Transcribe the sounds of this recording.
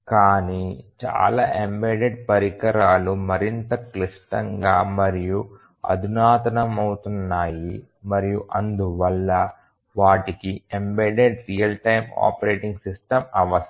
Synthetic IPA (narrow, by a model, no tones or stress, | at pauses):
kaːnit͡ʃa̰ːlaːʔembeːɖeɖ̚pɐɾikɐɾaːlumɐɾint̪ɐkliʂʈɐŋɡaːmɐɾiju | ɐ̰d̪ʱunaːt̪ɐnɐmɐwut̪unːaːji | mɐɾijuʔɐnd̪uʋɐlːɐ | ʋaːʈikiembeːɖeɖɾijɐlʈɐjma̰ːpɐɾeːʈiŋɡsisʈɐmɐʋɐs